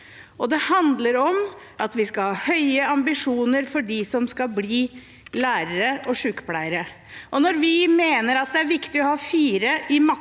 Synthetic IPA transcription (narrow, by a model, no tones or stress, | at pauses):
ʔɔd̪ɛhɑnd̪ləɾɔm | ʔɑt̪ʋɪskɑhɑːhœʏəɑmbɪʂuːnəɾfɔɖɪsɔmskɑbliː | læːɾəɾəɔʂʉːkpʰlæɪəɾə | ʔɔnɔɾʋɪmeːnəɾɑt̪̚d̪ɛæɾʋɪkt̪ɪɔhɑːfiːɾəʔɪmɑ